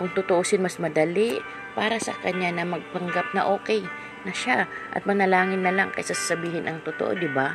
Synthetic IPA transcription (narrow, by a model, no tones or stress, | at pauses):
kʊŋt̪ʊt̪oʔosɪnmɐsmɐd̪ɐlɪʔ | paːɾɐsɐ̰kɐɲːanɐmɐɡ̚p̪ɐŋɡap̚nɐʔo̞ːkɛj | nɐʃaʔɐ̰t̪̚mɐnɐlaːŋɪnːɐlaŋkɐ̰jsasḁsɐbiːhɪnʔɐŋt̪ʊt̪o̰ʔo̰d̪ɪba